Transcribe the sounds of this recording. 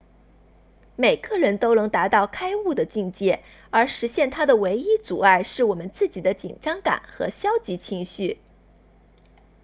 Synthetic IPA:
me˨˩ɪɡə˥˧ɻə˧˥nt̪o˥ʊnɤ˧˥ŋt̪a˧˥t̪ɑ˥˩ʊkʰa˥ɪu˥˩d̪ə˩t͡ɕi˥˧ŋt͡ɕjɛ˥˩ | ə˞˧˥ʂɻ̩˧˥ɕjɛ˥˩nt̪ʰa˥d̪ə˨we˧˥ɪi˥t͡su˨˩a˥˧ɪʂɻ̩˥˩wɔ˨˩mə˦nt͡sɹ̩˥˩t͡ɕi˨˩d̪ə˦t͡ɕḭ˨˩ŋʈ͡ʂɑ˥ŋka̰˨˩˦nxɤ̰˧˥ɕjɑ˥ʊt͡ɕi˧˥t͡ɕʰi˧˥ŋɕy˥˩

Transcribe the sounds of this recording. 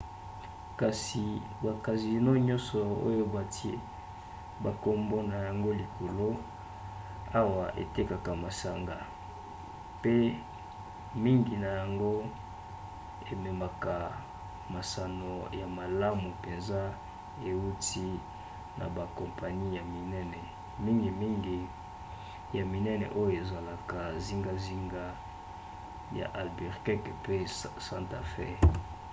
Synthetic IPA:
ka˨si˨ | ba˨ka˨zi˨no˦ɲɔ̃˦nsɔ˨o̰˦jo˦ba˨ti˦e˦ | ba˨ko˦mbo˦na˨ja˨ŋɡo˦li˨kʰo˨lo˦ | a˦wa˨ʔḛ˨te˦ka˨ka˨ma˨sa˦ŋɡa˨ | pe˦ | mi˦ŋɡi˨na˨ja˨ŋɡo˦ | e˨me˨ma˨ka˨ | ma˨sa˨no˨ja˨ma˨la˦mu˨pe˨nza˦ | e˨u˦ti˦ | nʔa̰˨ba˨kõ˨mpa˨ni˦ja˨mi˨nɛ˦nɛ˨ | mi˦ŋɡi˨mi˦ŋɡi˨ | ja˨mi˨nɛ˦nɛ̰˨ʔo˦jo˨e˨za˨la˨ka˨zi˦ŋɡa˦zi˦ŋɡa˦ | ja̰˨ʔa˨lbi˨ʁkɛ˦kpe˦sa˦nta̰˨fɛ̰˦˨

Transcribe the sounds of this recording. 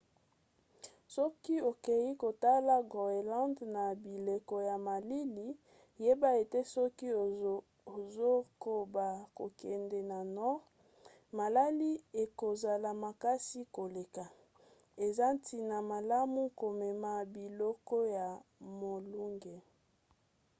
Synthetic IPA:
sɔ˦ki˦o˨ke˨ji˦ko˨ta˦la˦ɡo˨e˨lã˦ndna˨bi˨le˨kɔ˨ja˨ma˨li˦li˦ | je˦ba˦e˨te˦sɔ˦ki˦ | o˨zo˦ko˨ba˨ko˨kɛ˨ndɛ˨na˨nɔ˦ʁ | ma˨la˦li˦e˨ko˨za˨la˨ma˨ka˦si˦ko˨le˨ka˨ | e˨za˦ntʰi˨na˨ma˨la˦mu˦ko˨mɛ˨ma˨bi˨lɔ˦kɔ˦ja˨mo˨lu˦ŋɡe˨

